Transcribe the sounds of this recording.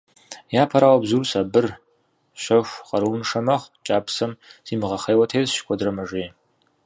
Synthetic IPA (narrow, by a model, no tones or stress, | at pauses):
jaːpʰɐɾaːwɐbzursaːbɨr | ʃɐʃʷqɐɾuːnʂɐmɐχʷt͡ʃʼaːpsɐmz̥iːmʁɐχejwɐtʰeːzʃkʷʰʼɔdrɐmɐʒeː